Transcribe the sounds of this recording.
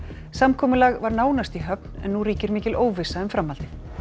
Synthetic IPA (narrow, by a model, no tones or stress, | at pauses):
samkʰɔːmʏlaɣvaɾnaːwnast̪iɦœp̚n̥ɛ̰nːuɾiːcɪɾmɪːcɪloːwvɪsːaʏmfɾamːalt̪ɪ